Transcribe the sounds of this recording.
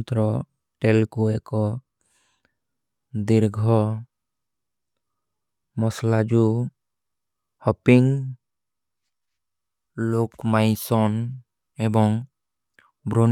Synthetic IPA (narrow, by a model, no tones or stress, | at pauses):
t̪ɾɔ | ʈelkuɛkɔ | d̪iɾɡʱɔ | mɔslad͡ʒu | hɔpiŋ | lokmajsɔn | ɛbɔŋ | bʱɾon